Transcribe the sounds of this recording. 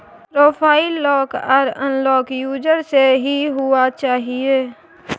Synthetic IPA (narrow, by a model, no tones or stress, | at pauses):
pɾoːpʰaːɪlːɔːkaːɾə̰̃nlɔːkjuːd͡ʒəɾseɦiɦʊat͡ʃaːɦieː